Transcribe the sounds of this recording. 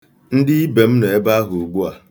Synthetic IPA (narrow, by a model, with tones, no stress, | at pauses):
n̩˦dɪ˦i˦be˨m̩˦ne˨e˦ba˦ɦʊ˨u˨ɡ͡bu˦a˨